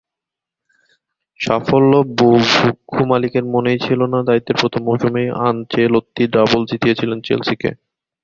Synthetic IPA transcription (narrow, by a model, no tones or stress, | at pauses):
ʃafolːobobukʰːumalikeɾmonejt͡ɕʰilonad̪ait̪ːeɾpɾot̪ʰomːoʃomejant͡ɕelot̪ːiɖɾabold͡ʑit̪iet͡ɕʰilent͡ɕḛlsikḛ